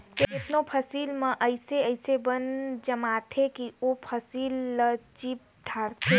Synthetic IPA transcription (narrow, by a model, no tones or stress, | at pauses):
keɪt̪nopʰəsiːlmə̃ʔəɪseəɪsebənd͡ʒəmat̪ʰekiopʰəsiːlːət͡ʃip̚ | d̪ʱaːɾt̪ʰe